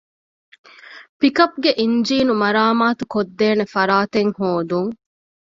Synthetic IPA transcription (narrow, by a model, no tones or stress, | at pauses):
pikɐp̚ɡeʔiɲd͡ʒiːnumɐɾaːmaːt̪ukod̪ːeːnefɐɾaːt̪eŋhoːd̪uŋ